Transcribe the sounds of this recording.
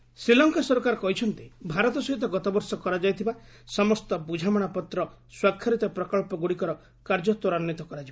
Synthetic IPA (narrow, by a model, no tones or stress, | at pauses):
sɾilɔŋkasɔɾɔkaɾɔkɔɦit͡ʃʰɔnt̪ibʱaɾɔt̪ɔsɔɦit̪̬ɔɡɔt̪ɔbɔɾsɔkɔɾad͡ʒajt̪ʰiba | sɔmɔst̪ɔbud͡ʒʱamɔɽ̃apɔt̪ɾɔ | swakʰːaɾit̪ɔpɾɔkɔɭpɔɡuɽikɔɾɔ | kaɾd͡ʒɔt̪wɔɾanːit̪ɔkɔɾad͡ʒiba